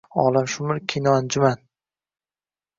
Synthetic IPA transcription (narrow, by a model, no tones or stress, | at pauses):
ɒːlˠamʃʊmɪɾkʲʰinɒand͡ʒʊman